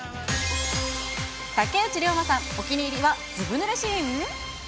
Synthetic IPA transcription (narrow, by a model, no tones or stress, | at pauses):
t̪aket͡ɕiɾʲo̞ːmasãŋo̞kʲiɲʲiːɾʲiβad͡zɨbɯ̟nɯɾeɕieŋɯ